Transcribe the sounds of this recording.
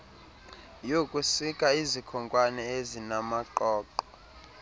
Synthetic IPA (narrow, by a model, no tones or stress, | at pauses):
jokʼusikʼaizikʰɔŋkʼwanɛezinamaǃɔːǃɔ